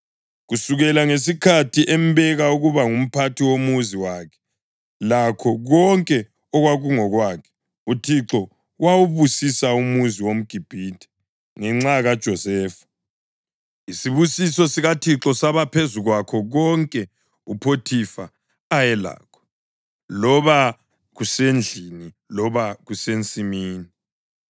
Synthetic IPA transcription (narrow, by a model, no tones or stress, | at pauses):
ɣusuɣɛlaŋesikʰatʰiʔɛm̩βɛɣauɣuβaŋum̩pʰatʰiwomuziwakʰɛ̥ | lakʰɔɣɔŋkʼɛ | ɔɣwaɣuŋɔɣwaːkʰɛ̥ | utʰiǁɔ | wawuβusisaumuziwom̩ɡ̥ʱib̥ʱitʰʼɛ̥ | ŋɛŋ͡ǁaɣad̥ʒ̥ʱɔsɛːfḁ | isiβusisɔsiɣatʰiǁɔsaβapʰezuɣwakʰɔɣɔŋkʼɛ | upʰotʰifaː | jɛla̰ːkʰɔ̥ | lɔβa | ɣusend͡ɮʱini | lɔβaɣusent͡sʼimiːni